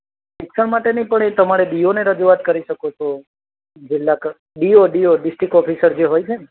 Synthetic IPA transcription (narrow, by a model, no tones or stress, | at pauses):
ʃɪksəɳmaʈenĩpəɳ̃et̪əmaɽeɗijoneɾəd͡ʒuʋat̪̚kəɾiʃəkot͡ʃʰo | d͡ʒɪlːak | ɖioɖijoɖɪsʈɾikɔpʰisəɾd͡ʒeɦojt͡ʃʰen